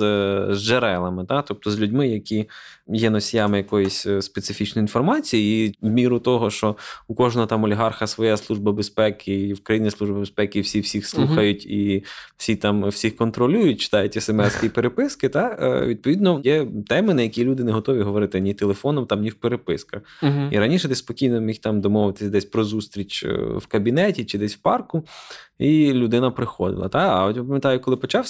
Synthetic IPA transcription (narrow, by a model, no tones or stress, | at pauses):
zʒeɾɛlˠɐmɪt̪ɑt̪ɔp̚t̪ɔzʲlʲʉdʲmɪjɐkʲijɛnɔsʲijɑmɪjɐkɔjɪsʲspet̪sɪfʲit͡ʃnɔjinfɔrmɑt͡sʲijiːwmʲiɾʊt̪ɔɦɔʃt͡ʃɔʊkɔʒnɔɦɔt̪ɑmɔlʲiɦɑrxɐsʋɔjaslˠuʒbɐbespɛkɪwkɾɐjinʲːisˠuʒbɐbespɛkiwsʲiwsʲixslˠuxɐjʊtʲiw̥sʲit̪ɑmwsʲixkɔnt̪ɾɔlʲujʊtʲt͡ʃɪ̥t̪ɑjʊtʲɛsemɛskʲipeɾepɪskɪt̪ɑ̰ʋʲid̪̚pɔʋʲid̪nɔjɛt̪ɛmɪnɐjɐkʲilʲud̪ɪneɦɔt̪ɔʋʲiɦɔʋɔɾɪt̪ɪnʲit̪elˠefɔnɔmt̪ɑmnʲiwpeɾepɪskɐxiɾɐnʲiʃɛd̪ɛspɔkʲijnɔmʲixt̪ɑmd̪ɔmɔʋɪt̪ɪ̥sʲɐd̪ɛsʲpɾɔzust̪ɾʲit͡ʃwkɐbʲinɛtʲit͡ʃɪd̪ɛsʲwpɑrkʊilʲʊd̪ɪnɐpɾɪxɔd̪ɪ̰lˠɐ̰t̪ɑɐɔtʲʋɪpɐmʲjɐt̪ajʊkɔlˠɪpɔt͡ʃɑwsʲ